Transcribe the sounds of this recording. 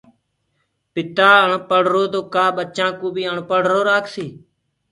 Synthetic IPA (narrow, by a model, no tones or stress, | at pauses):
pɪt̪aːəɳpəɽ̤ɾoːt̪oːkaːɓət͡ʃãːkõːbʱiːəɳpəɽ̤ɾoːɾaːkʰsiː